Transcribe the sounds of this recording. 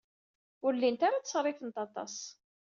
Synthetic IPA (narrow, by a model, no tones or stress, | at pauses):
ʊɾlːint̪aɾat͡ssɾˤɪfənt̪ɑt̪ˤɑ̰s